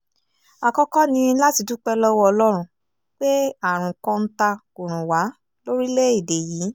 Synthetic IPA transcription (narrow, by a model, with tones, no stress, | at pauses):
a˨kɔ˧kɔ˦nĩ˧˦la˦ti˨˧du˦k͡pɛ˦lɔ˦wɔ˦ɔ˧lɔ˦ɾ̃ũ˧ | k͡pe˦a˨ɾ̃ũ˨kɔ̃˦n̩˦ta˧ku˨ɾ̃ũ˨wa˨˦ | lo˦ɾi˦le˦i˦˨de˨jiː˨˦